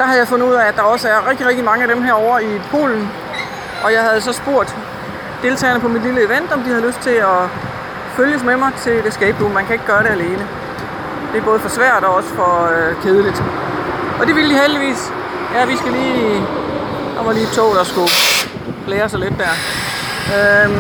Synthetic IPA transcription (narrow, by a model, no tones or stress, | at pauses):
d̥ɑ̈hæð̩ˠjɪfɔ̽n̩uð̰ˠææd̥ɑ̈ɒ̽səæɐʁeɡ̥̚d̥iʁeɡ̥̚d̥imɑ̈ŋəæd̥emɦæɐ̰ɒʊɐipʰo̝̰ːln̩ | ʔɒ̽jɑ̈ɪhæð̞̩ˠsɒ̽sb̥o̝ɐ̰d̥ | d̥e̝lt͡sʰɛ̰ːɐnəpʰɒ̽mid̥liləe̝ʋen̰d̥ɒ̽md̥ihæðˠløsd̥̚t͡sʰe̝lɒ | føljəs̬memɑ̈ɪt͡sʰe̝ld̥e̝sɡ̥ɛːb̥̚lṵːnmænkʰæe̝ɡ̥ɡ̥ɶːɐɾe̝æle̝ːnə | d̥e̝æɐb̥ɔ̽ːð̩ˠfɒ̽sʋæɐ̰d̥ɒ̽ɒ̽sə̥fɒ̽kʰeːð̞ˠəlid̥ | ʔɒ̽d̥e̝ʋilədiɦeld̥iʋḭːs | jæʋisɡ̥æliː | ɒ̰mɒliːt͡sʰɔ̰ʊɾ̥ɑsɡ̥u̥ | leːɐsɒled̥ːæɐ̰ | ø